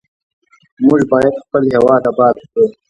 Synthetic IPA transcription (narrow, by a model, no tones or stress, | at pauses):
mʊʒbɑːjad̪xpəlɦewɑːd̪abɑːd̪wkow